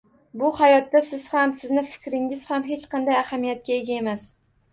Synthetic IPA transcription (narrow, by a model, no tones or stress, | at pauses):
bʊhajɒt̪ːasɪz̥hamsɪznɪfɪ̥kʲɾɪŋɪz̥hamɦe̞t͡ʃqʰɑnd̪ajahamijat̪̚kʲae̞ɡʲae̞mas